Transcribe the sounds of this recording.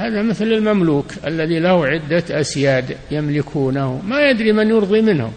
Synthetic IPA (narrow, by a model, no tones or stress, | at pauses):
haːðamɪθlɪlmamluːkʔa̰lːaðilahuʕɪd̪ːaʔasjaːd̪jamlɪkʰuːnahmajad̪ɾimɪnjʊɾðˤimɪnhʊ̰m